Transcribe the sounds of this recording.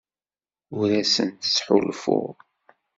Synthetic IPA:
ʊɾæsənt̪ə̥sħulfʊ̰ʁ

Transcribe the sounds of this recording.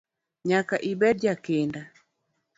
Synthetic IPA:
ɲakaʔibɛd̚d͡ʒakenda

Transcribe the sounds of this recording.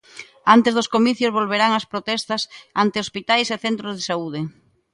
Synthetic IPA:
ant̪ezðʊskomiθjʊzβolβeɾaŋɐspɾot̪ɛst̪ɐsant̪ɪospit̪ajseθɛnt̪ɾozðesauð̞ɪ

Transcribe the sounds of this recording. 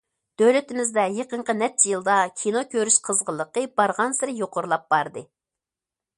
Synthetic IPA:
d̪̥øwlɪt̪ɪmɪzd̪ɛjeqəɴqʰənɛt͡ʃʰijilˠd̪ɑkʲʰinokʲʰøɾyʃqʰəzʁəlˠːəqəb̥ɑɾʁɑnsɪɾɪjoqʰʊɾlˠɑp̚b̥ɑɾd̪ɨ

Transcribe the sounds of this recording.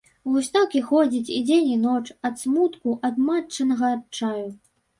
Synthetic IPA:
lusʲt̪akʲixɔd͡zʲit͡sʲid͡zʲenʲinɔt͡ʂɐt̪smut̪kuʔɐd̪mat͡ʂːɐnɐɣɐrt͡ʂaju

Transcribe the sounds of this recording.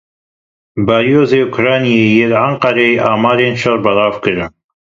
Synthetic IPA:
baːɾijoːzeːukʰʊɾɑːnijeːjeːlʕaɴqɑɾeeʔɑːmɑːɾeːnʃɐɾbɐlɑːvkɨɾɨn

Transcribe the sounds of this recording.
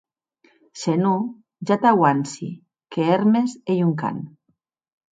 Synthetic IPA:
senu | ʒat̪awansḭ | keeɾmesejuŋka̰n

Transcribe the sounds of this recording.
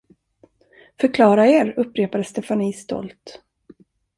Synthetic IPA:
fœɾkʰlɑːɾaeːɾɵpːɾeːpad̪əst̪ɛfaniːst̪ɔ̰lt̪

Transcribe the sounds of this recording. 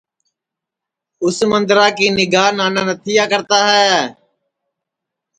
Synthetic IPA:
ʊsmənd̪ɾaːkiːnɪɡaːɦnaːnãːnət̪ʰɪjaːkəɾt̪aːɦɛː

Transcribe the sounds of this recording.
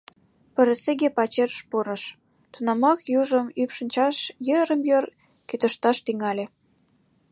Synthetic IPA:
pə̆ɾə̆seɣepɑt͡ɕerʃpuɾɤ̆ʃ | t̪unɑmɑkjuʒə̆mypʃə̆nʲt͡ɕɑʃjəɾə̆mjor | kyt̪ə̆ʃt̪ɑʃt̪yŋɑlʲe

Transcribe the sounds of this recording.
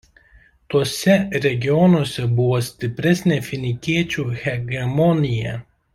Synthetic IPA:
t̪uɔsʲɛɾʲɛɡʲɪjɔnuɔsʲɛbʊʋoːsʲt̪ʲɪpʲɾʲɛsʲnʲeːfʲɪnʲɪkʲiɛt͡ʃʲuːɣʲɛɡʲɛmɔnʲɪjɛ

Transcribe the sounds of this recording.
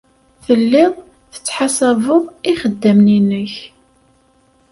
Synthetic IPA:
θəlːɪðˤ | θə̥t͡sːħasævəðˤiχəd̪ːəmninəç

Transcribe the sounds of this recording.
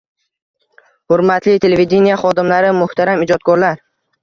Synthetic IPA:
hʊɾmat̪ʰlɪt̪ʰeleved̪ʲe̞nijaχɒd̪ɪmlaɾɪmʊht̪aɾamɪd͡ʒɒt̪̚kʰɒɾlaɾ

